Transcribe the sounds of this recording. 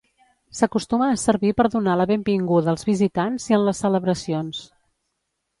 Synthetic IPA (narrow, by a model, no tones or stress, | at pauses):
səkust̪uməːsəɾβipəɾðunaləβembiŋɡuðəːlˠzβizit̪anziənləsːələβɾəsions